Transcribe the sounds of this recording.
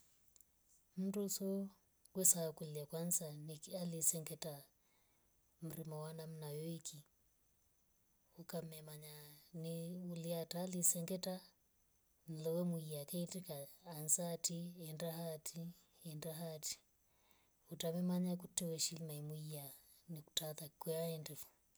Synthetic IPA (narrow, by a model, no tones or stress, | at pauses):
m̩dusɔ | kwɛsakulakwansanikalisɛŋɡɛta | m̩ɾimawanam̩najɔikʰi | ukamɛmaɲaniuliatalisɛŋɡɛta | n̩lɔwɛmuiakɛitikaːnzatiɛndaɦatʰi | ɛndaɦati̥ | utamɛmaɲakutɛwɛʃilmaimuia | niku̥taðakɛaɛndɛfu̥